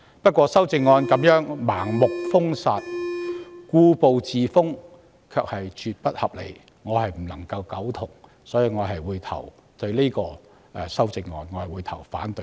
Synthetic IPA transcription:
pɐ˥t̚kʷɔː˧sɐ˥wt͡sɪ˧ŋːɔː˧nkɐ˨˧˥mjœː˨˥ŋmaː˨˩ŋmʊ˨k̚fʊ˥ŋsaː˨t̚ | kuː˧po˨wt͡siː˨fʊ˥ŋ | kʰœː˧k̚hɐ˨jt͡ʃʰyː˨˧t̚pɐ˥t̚hɐ˨˩p̚lḛ˨˩j | ŋɔː˨˧hɐ˨jm̩˨˩lɐ˨˩ŋkɐ˧wkɐ˨˥wt̪ʰʊ˨˩ŋ | sɔː˨˥jiː˨˧ŋɔː˨˧ɦɐ˨jwuː˨˧jt̪ʰɐ̰˨˩wt̪ɵ˧ɥle˥kɔː˧ | ɛ˨˩sɐ˥wt͡sɪ˧ŋːɔ̰ː˧nŋɔː˨˧hɐ˨jwuː˨˧jt̪ʰɐ˨˩wfaː˨˥nt̪ɵ˧˥

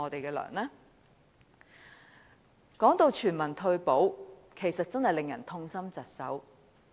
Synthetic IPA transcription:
ɔː˨˧t̪e˨jkɛː˧lœ̰ː˨˩ŋlɛː˥ | kɔː˨˥ŋt̪o˨˧wt͡ʃʰyː˨˩nmɐ˨˩nt̪ʰɵ˧ɥpo˨˥wkʰe˨˩jsɐ˨t̚t͡sɐ˥nhɐ˨jlɪ˨ŋjɐ̰˨˩nt̪ʰʊ˧ŋsɐ˥mt͡sɐ˨t̚sɐ̰˨˥w

